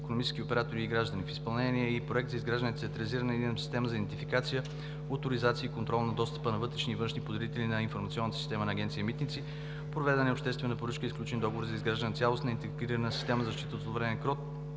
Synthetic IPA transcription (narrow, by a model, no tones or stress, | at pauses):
ikonomit͡ʃskʲiopɛɾat̪oɾiːɡɾaʒd̪ənʲifispɐlˠnɛniɛipɾoɛk̚t̪zɐizɡɾaʒd̪ənɛt̪iɐt̪ɾɐliziɾənəd̪inəsi̥st̪ɛməzɐid̪ɛnt̪ifikat̪sijə | ot̪oɾizat̪siəikont̪ɾɔlˠnɐd̪ɔst̪ə̥pənɐvɤt̪ɾɛʃnivɤ̃nʃnipod̪ɛɾit̪ɛlʲinɐinfoɾmɐt̪siɔnːət̪əsist̪ɛmənɐːɡɛnt̪sijəmit̪nit̪si | pɾovɛd̪ənɛopʃt̪ɛst̪vɛnɐpoɾət͡ʃkəisklʲut͡ʃɛnd̪ɔɡovoɾzɐizɡɾaʒd̪ənət̪sʲalˠosnəint̪ɛɡɾiɾənəsi̥st̪ɛməzɐzɐʃt̪it̪əot̪ˠovɾɛnɛkɾɔt̪